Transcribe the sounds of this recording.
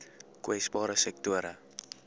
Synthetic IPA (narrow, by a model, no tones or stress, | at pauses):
kwɛsbɑːɾəsɛk̚tuəɾə